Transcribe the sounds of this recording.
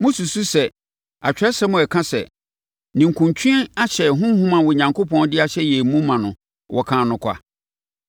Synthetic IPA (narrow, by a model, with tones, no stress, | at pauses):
mʊ̃˦su˨su˦sɛ˨ | a˨t͡ɕᶣɾɛ˦sɛ˦mʊ̃˨ɛ˨kʰã˦sɛ̰˨ | nĩ˨ŋ̩˨kʰũ˨ɲt͡ɕʰᶣĩ˦ɛ˦a˦ɕʰɛ˨ɦʊ̃˦hũ˦mã˨wɔ˨ɲã˨ŋkʰo˦pʰɔ̃˦n˦dɪ˦a˨ɕɛ˦jɛ˨mũ˦mã˨nʊ̃˨ | wʔɔ˨kʰãː˨nʊ̃˨kʷʰa̰˦